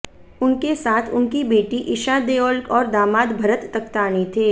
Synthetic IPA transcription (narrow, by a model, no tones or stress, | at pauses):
ʊnkesaːt̪ʰʊnkibeːʈiʔɪʃaːd̪eːoːlkɔːɾd̪aːmaːd̪bʱɐɾət̪ːɐk̚t̪aːnit̪ʰeː